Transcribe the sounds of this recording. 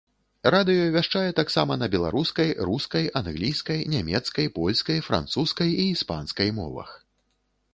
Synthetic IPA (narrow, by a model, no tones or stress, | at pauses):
ɾad̪ɨjɔvʲaʂt͡ʂajɛt̪aksamɐnɐbʲɛlˠa̰ɾuskɐjɾuskɐjanɣlʲijskɐjnʲamʲɛt̪skɐjpɔlʲskɐjfɾa̰nt̪suskɐjiːspa̰nskɐjmɔ̰vɐ̰x